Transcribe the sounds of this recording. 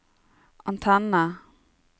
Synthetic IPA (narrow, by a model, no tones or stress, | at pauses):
ɔnt̪ʰanːa